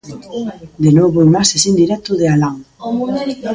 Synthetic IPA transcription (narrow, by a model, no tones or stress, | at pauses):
d̪enoβoimasesind̪iɾɛt̪ʊðealaŋ